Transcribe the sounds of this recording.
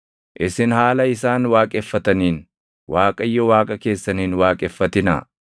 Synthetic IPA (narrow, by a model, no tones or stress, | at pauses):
ʔɪsɪnhaːlɐɪsaːnwaːkʼɛfːɐt̪ɐniːn | wʔaːkʼɐjːɔwaːkʼɐke̞ːsːɐniːnwaːkʼɛfːɐt̪ɪnɐ̰